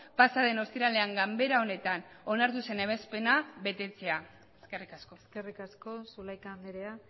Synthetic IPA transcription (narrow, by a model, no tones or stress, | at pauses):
pasaðe̞no̞st̪iɾale̞aŋɡambe̞ɾao̞ne̞t̪ano̞naɾt̪use̞neβ̞e̞spe̞naβe̞t̪e̞t͡se̞a | eskerikasko̞eskerikasko̞sulajk̪aːnd̪eɾea